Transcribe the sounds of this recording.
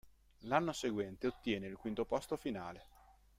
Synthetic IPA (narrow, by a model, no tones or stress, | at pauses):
lanːoseɡwɛnt̪eot̪ːjɛːneilkwint̪opɔst̪ofinaːle